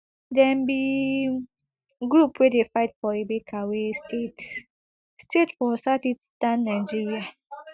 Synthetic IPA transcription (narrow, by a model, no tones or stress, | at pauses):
dɛ̃mbi | ɡɾupwedefaɪtfɔebekʰawestʰet | stetfɔsatidstãnːaɪd͡ʒiɹia